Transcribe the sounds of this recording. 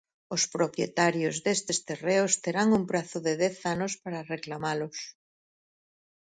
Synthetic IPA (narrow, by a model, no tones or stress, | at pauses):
ospɾopjḛt̪aɾjozðest̪est̪ereost̪eɾaŋumpɾaθʊðeðɛθanospaɾareklamalos